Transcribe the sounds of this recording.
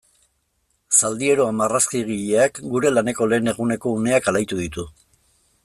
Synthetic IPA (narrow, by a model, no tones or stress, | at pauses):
sald̪ie̞ɾo̞amaraskiɣiʎeakɡuɾe̞lane̞ko̞le̞ːne̞ɣune̞ko̞une̞akalajt̪uðit̪u